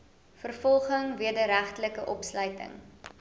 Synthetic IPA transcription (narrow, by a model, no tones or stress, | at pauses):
fərfɔlˠχəŋviədəɾæχtələkəʔɔpslœɥtə̰ŋ